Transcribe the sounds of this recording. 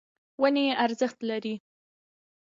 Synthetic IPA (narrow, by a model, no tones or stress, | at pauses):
wəneʔaɾzəxt̪laɾi